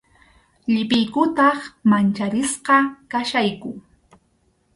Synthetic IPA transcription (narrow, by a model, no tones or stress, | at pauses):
ʎɪpɪjkʊt̪ɑχmant͡ʃaɾɪsqɑkaʃajkʊ